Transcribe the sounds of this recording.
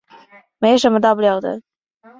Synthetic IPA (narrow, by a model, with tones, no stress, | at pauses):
me˧˥ɪ˩ʂə˧˥nmə˧t̪ɑ˥˧p̬u˥˧ljɑ˨˩ʊd̪ə̰˦